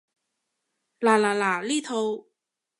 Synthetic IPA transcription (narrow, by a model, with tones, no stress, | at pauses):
laː˨˩laː˨˩laː˨˩liː˥t̪ʰo˧w